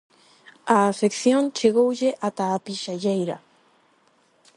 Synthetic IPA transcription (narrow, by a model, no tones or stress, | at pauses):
aːfekθjõŋt͡ʃeɣowʎeʔat̪aːpiʃaʎejɾa̰